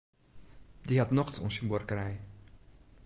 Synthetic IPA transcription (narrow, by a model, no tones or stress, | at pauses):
diɦɑtnɔχtɔ̰nsimborkəɾɛj